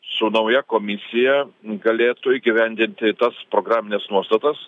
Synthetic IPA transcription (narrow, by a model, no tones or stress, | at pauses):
sʊnɐʊjɛkoːmʲɪsʲɪjɛɡɐlʲeːt̪ʊiːɡʲɪʋʲɛnʲd̪ʲɪnʲt̪ʲɪt̪ɐspɾoːɡɾaːmʲɪnʲɛsnuɔst̪ɐt̪ɐs